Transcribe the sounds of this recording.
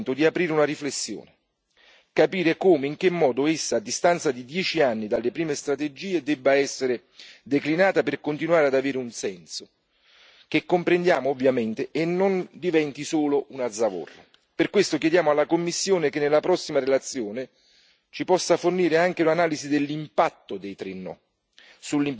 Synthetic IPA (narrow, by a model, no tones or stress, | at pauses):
nt̪ʊd̪iapɾiːɾeunariflesːjo̰ːne | kapiːɾekoːmeiŋk̟emːɔːd̪oesːaːd̪ːist̪ant̪sad̪id̪jɛːt͡ʃianːid̪alːepɾiːmest̪ɾat̪ed͡ʒiːed̪ɛbːaɛsːeɾe | d̪eklinaːt̪aperkont̪inuaːɾead̪aveːɾeunsɛnso | k̟ekːompɾend̪jaːmoːvːjament̪eʔenːond̪ivɛnt̪isoːlounad̪zːavo̰rːa̰ | perkːwest̪ok̟jɛd̪jaːmoalːakomːisːjoːnekenːelːapɾɔsːimaɾelat̪sːjoːne | t͡ʃipɔsːaforniːɾeaŋk̟eunanaːlizid̪elːimpat̪ːod̪ejt̪ɾenːɔ̰ | sulːim